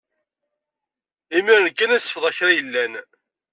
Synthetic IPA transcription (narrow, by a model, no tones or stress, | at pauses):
imiɾənkːænæsə̥fðæçɾæjəlːæn